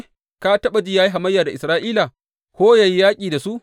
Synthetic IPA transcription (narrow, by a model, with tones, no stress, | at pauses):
ka˦tɐ˦ɓɐ˨d͡ʒiː˦jaː˦ji˦ɦa˨mɐ˦jːaː˨da˨ʔɪ˨sɾaː˦ʔiː˦la˨ | kʷoː˦ja˨ji˦jaː˦kʲʼiː˨da˨su˦ʔ